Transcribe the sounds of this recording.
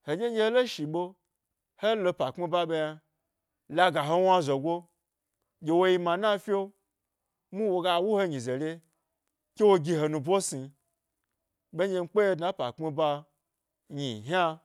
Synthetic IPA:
he˨d͡ʒʲe˦ɡʲe˧he˦lo˦ʃi˨ɓo˧ | he˦lo˧pa˨k͡pi˧ba˧ɓe˧ja˧ | la˧ɡa˨ɦo˧wa˦zo˨ɡʷo˦ | d͡ʒʲe˧wo˧ji˧mã˨na˦fʲi˦o˦ | mu˦wo˧ɡa˧wu˦ho˧ɲĩ˨ze˨lʲe˧ | kʲe˦wo˧ɡʲi˧ɦo˧nũ˧bʷo˦si˧ | be˦ɲʲe˧m̩˦k͡pe˦je˧dna˦pa̰˨k͡pmi˧ba˧ | ɲi˨ɦa˦

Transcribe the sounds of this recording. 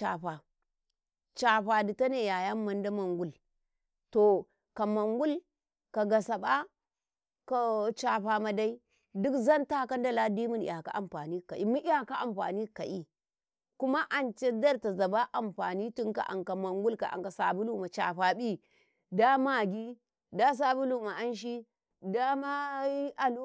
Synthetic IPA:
t͡ʃa̰˨ɸa˨ | t͡ʃa˨ɸa˨di˨ta˦ne˦˨ja˨ja˦ma˨nda˦ma˨ŋɡu˦l | to˨ | ka˨ma˨ŋɡu˦l | ka˨ɡa˨sa˨ɓa˦ | ka˨t͡ʃa˨ɸa˨ma˨da˦i˦ | du˦kza˦nta˦ka˦n˦da˦la˦di˦mu˦nḭ˨ja˨ka̰˨ʔa̰˨m˨ɸa̰˨ni˦ka˨ʔi˦mu˦a˨ka˦ʔa˨mɸa̰˨ni˦ka˨ʔi˦ | ku˦ma˦ʔa˨nt͡ʃe˦da˦ɾta˨za˨ba˦ʔa˨mɸa̰˨ni˦tu˦ŋka̰˨ʔa̰˨ŋka˨ma˨ŋɡu˦lka̰˨ʔa̰˨ŋka˨sa˨bu˦lu˦ma˨t͡ʃa̰˨ɸa˨ɓi˦ | da˦ma˦˨ɡi˦ | da˦s̬a˨bu˦lu˦˨ma˨a˦nʃ̬i˦ | da˦ma˦a˨lu˦

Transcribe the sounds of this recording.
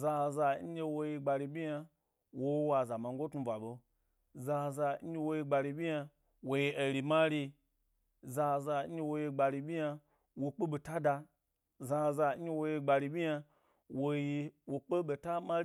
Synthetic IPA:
za˧za˧ɲ̩˦je˧wo˧ji˧ɡ͡ba˧ɾi˧bʲi˦ja˧ | wo˦wa˧˨za˨ma˧ŋ˦ɡo˦tnu˧va˨ɓo˧ | za˧za˧˦je˦˧wo˧ji˧ɡ͡ba˧ɾi˧bʲi˦ja˧ | wo˧ji˧˦ʔe˨ɾi˧ma˦ɾi˧ | za˧za˧ɲ̩˦e˧wo˧je˧ɡ͡ba˧ɾi˧bʲi˦ja˧ | wo˧k͡pe˦ɓe˧ta˦da˧ | za˧za˧ɲ̩˦je˧wo˧je˧ɡ͡ba˧ɾi˧bʲi˦ja˧ | wo˧ji˧wo˧k͡pe˦be˨ta˦ma˦

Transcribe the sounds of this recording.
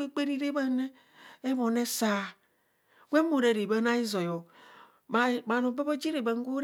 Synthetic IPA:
e˦k͡pe˦ɾi˦ɾe˦ba˦ne˦ | e˦βo˨ne˦sa˨ | ɡʷe˦mo˨ɾe˨ɾe˨ba˦na˦i˦zo˨jo˨ | ma˨ma˨no˨ba˦bo˦d͡ʒi˦ɾe˨ba˨ŋ˦ɡo˦ɾ

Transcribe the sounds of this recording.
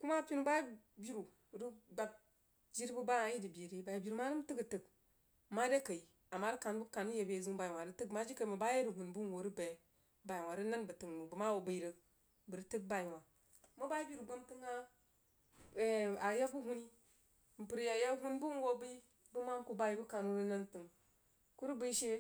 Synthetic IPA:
ku˦ma˦pi˦nu˦ba˦bi˦ɾu˨ | ɾi˦ɡ͡ba˨b̚ | d͡ʒi˦ɾbə˦ba˦a˨ji˦di˨bi˨ɾi˦ba˨ji˨bi˨ɾu˨ma˦ɾɨ˦m˦tɨ˦ɡə˨tə˨k | ma˦de˦kə˨i˨ | a˨mːa˦ɾi˦ka˨n˦bu˦ka˨n˦je˨be˨zu˦ŋ˦ba˨i˨wa˨ɾɨ˦tə˦kma˦d͡ʒi˦ka˨i˨mə˨ba˦je˦ɾu˨ɦu˨nbu˦n˨wo˨ɾi˦be˨ | ba˨ji˨wa˨ɾɨ˦na˦nbə˨tɨ˨ŋmu˨bu˨˦ma˦wo˨bə˨˦ɾə˦ | bɨ˨ɾtɨ˦k̚ba˦ji˨wa˨ | mu˦ba˦i˦bʲi˦˨ɾi˨ɡo˦mtɨ˦ŋa˦˨ | a˨˦ja˦bu˦ɦu˦ni˦ | m̩˨pɨ˨ɾja˨ja˦ɦu˦n˦bu˦n˦wo˦bi˦ | bu˦ma˦ŋ˦ku˦ba˦ji˨˦bu˦ka˨nu˦ɾi˦na˦ntɨ˨ŋ | ku˦ɾu˦bi˦ʃe˦

